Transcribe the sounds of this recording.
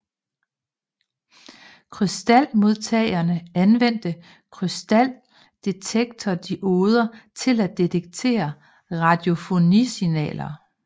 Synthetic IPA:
kʰʁysd̥æl̰mo̝ð̞ˠt͡sʰɛɪɐnəænʋen̰d̥ə | kʰʁysd̥æl̰ | d̥e̝t͡sʰeɡ̥̚t͡sʰɒd̥iʔoːð̞ˠɐt͡sʰe̝læd̥e̝t͡sʰeɡ̥̚t͡sʰe̝̰ːɐ | ʁɑ̈d̥jo̝fo̝nḭsinɛ̰ːlɐ

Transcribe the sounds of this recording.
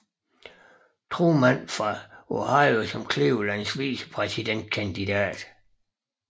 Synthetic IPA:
t͡sʰʁomænfʁɑ̈ohɑ̈ɪosɒ̽mkʰleʊlænsʋiːsə̥pʰʁɛsid̥en̰d̥̚kʰænd̥id̥æ̰ːd̥

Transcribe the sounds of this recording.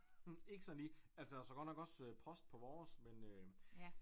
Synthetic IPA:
e̝ɡ̥əsɒ̽nliːælsəd̥æsɒɡɒ̽d̥nɒɡ̥ɒ̽søpʰɒ̽sd̥̚pʰɒ̽ʋɒːsmenø

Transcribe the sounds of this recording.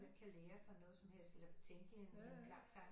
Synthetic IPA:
mænkʰæleːɐsɑ̈ɪnɔ̽ːð̞̩ˠsɒ̽mhel̰selɐb̥et͡sʰeŋɡ̥əenokʰlɑ̈m̥t͡sʰɑ̈ɪ̰

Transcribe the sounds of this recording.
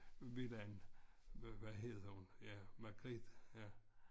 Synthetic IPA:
ʋilæn | ʋæɦe̝ðˠɐhunjæmaɡ̥ʁid̪̥jæ

